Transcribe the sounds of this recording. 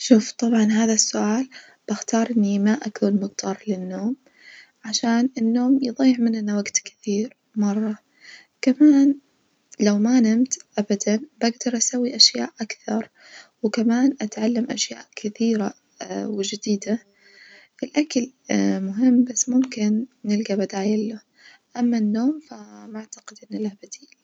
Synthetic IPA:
ʃuːft̪ˤɑbʕɑnɦaːðasːʊʔaːl | b̥axt̪ɑːɾˤʔɪnːimaʔakuːnmɪqt̪ʰɑːɾˤlɪnːoːm | ʕaʃaːnɪnːoːmjɨðˤɑjːɪʕmɪnʔɪnːawaɡt̪kɪ̥θiːɾ | mɑrˤːɑ | kamaːn | lawmanɪmt̪ʔabad̪anbaɡd̪ɑɾˤʔasawːiʔaʃjaːʔʔakθɑɾˤ | wkamaːnʔat̪ʕalːamʔaʃja̰ːʔkʰɪθiːɾa | wɪd͡ʒɪd̪iːd̪a | ʔɪlʔakalmʊɦɪmːbasːmʊmkɪnːɪlɡabad̪aːjɪlːʊ | ʔamːanːoːmfamaʕt̪aɡɪd̪ʔɪnːalahbad̪iːl

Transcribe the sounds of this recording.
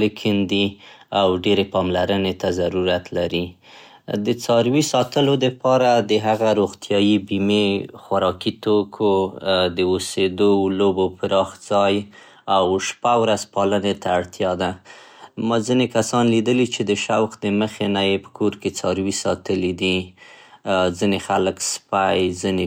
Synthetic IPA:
lekʰɪnd̪iawɖeɾepɑmlaɾənet̪azaɾuɾat̪laɾi | d̪ət͡sɑɾwisɑt̪əlod̪əpɑɾad̪əɦaɣaɾoɣt̪jɑjibimexwaɾɑkit̪okʰod̪əosed̪olobopəɾɑxzɑj | awʃpawɾazpɑlənet̪aːɽt̪jɑd̪a | mɑzinekasɑnlid̪əlit͡ʃed̪əʃawxd̪əməxenajepə̥kʰoɾket͡sɑɾwisɑt̪əlid̪i | zinexaləkspajzine

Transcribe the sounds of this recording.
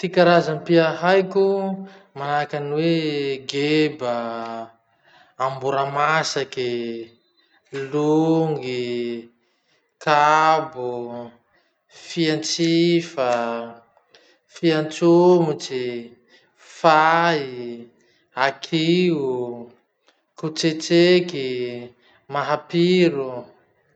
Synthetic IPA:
t̪ikaɾazampiaɦajkʲu | manakanweɡebə | mbuɾamasaki | luŋɡi | kabu | fiant͡sifə | fiant͡sumut͡si | fai | akʰiu | kut͡set͡seki | maɦapiɾu

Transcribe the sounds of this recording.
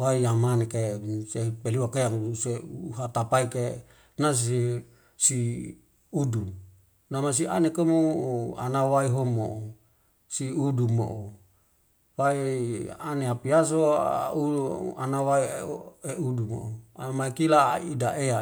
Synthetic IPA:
waijamanekesepeliwakejaŋseɦat̪apaike | nas̬e | si | udu | namas̬ianekomoa̰nawaiɦomo̰ʔ | siudumo̰ʔo | waianeapias̬ouanawaieudumo̰oamaikila̰idaʔea

